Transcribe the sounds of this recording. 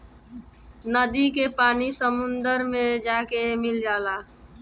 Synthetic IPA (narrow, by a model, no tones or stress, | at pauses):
nəd̪ikepaːnisəmʊnd̪əɾmẽd͡ʒakemɪld͡ʒaːla